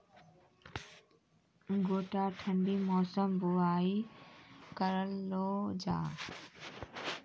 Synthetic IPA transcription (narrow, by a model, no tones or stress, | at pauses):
ɡoːʈaːʈʰəɳɖiːmɔːsəmbʊaːi | kəɾəlːoːd͡ʒa̰ː